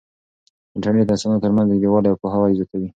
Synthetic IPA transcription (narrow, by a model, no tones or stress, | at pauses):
ɪɳʈaɽnet̪asɑnot̪əɾmanzd̪əd̪ewɑɖawpoɦawɑjzjɑt̪awi